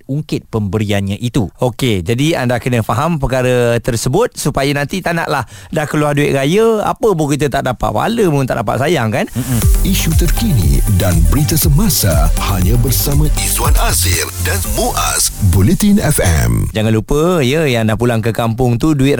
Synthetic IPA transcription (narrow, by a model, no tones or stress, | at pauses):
uŋkɪt̪̚pəmbəɾianɲãʔit̪uoked͡ʒadiandakənə̃faɦampəkaɾət̪ərsəbʊt̪̚supajənãnt̪it̪ana̰ʔlahdahkəluarduɪʔ̪ɾajəa̰pəbokit̪̬ət̪aʔ̚dapa̰ʔ̪̚wa̰ləmunt̪aʔdapa̰t̪sajaŋkanm̩iʃut̪ərkinḭdanbəɾit̪asəmasahaɲãbərsamãisuwanazɪrdanmuʔa̰sbulet̪inɛfɛ̰md͡ʒaŋãnlupəjəjaŋdahpulaŋkəkampʊŋt̪uduɪt̪